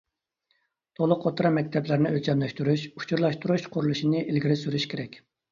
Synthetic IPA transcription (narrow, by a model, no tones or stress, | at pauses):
t̪ʰolˠʊqot̪ɾɑmɛk̚ʲt̪ʰɛplɪɾnɪølt͡ʃʰɛmlɛʃt̪yɾuʃu̥t͡ʃʰuɾlˠɑʃt̪uɾuʃqʰʊɾulˠuʃinɨʔilɡʲiɾɪsyɾyʃkʲeɾɛkʲ